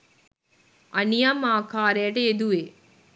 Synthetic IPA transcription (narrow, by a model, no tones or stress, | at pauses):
ɐnijamaːkaːɾeːʈeed̪ue